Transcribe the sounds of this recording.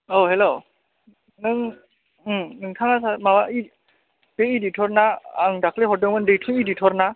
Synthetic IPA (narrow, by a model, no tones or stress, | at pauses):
oɦelo | nɯŋ | nɯŋtʰaŋasamawai | beiditʰɔɾnaaŋdakʰleɦɔdɯŋmɯndejtʰɯŋiditʰɔɾna